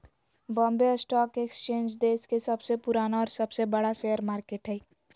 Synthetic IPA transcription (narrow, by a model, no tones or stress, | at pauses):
bɔ̃ːmbeəsʈɔːkekst͡ʃẽːɲd͡ʒd̪eːskesɐbsepʊɾaːnaɔːɾsɐbsebɐɽaseːjəɾmaːɾkeːʈɦɛː